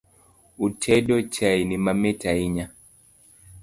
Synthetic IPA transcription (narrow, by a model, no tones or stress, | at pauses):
utʰɛɗɔt͡ʃainimamɛtʰaiɲa